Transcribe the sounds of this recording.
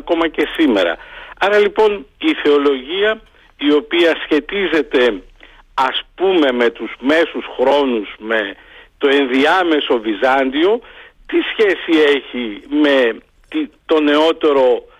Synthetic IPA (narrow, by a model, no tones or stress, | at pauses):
ko̞mɐce̞sime̞̰ɾɐ̰ɐɾɐlipo̞niθe̞o̞lo̞ʝiɐ | io̞piɐsçe̞t̪ize̞t̪e̞ | ɐspume̞me̞t̪uzme̞susxɾo̞nuzme̞ | t̪o̞e̞nðiɐme̞so̞vizɐnd̪io̞t̪isçe̞sie̞çime̞ | t̪it̪o̞ne̞o̞t̪e̞ɾo̞